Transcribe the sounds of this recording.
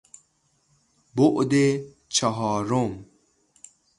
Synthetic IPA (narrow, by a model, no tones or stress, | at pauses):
boʔd̪e | t͡ʃʰaɦɔːɾom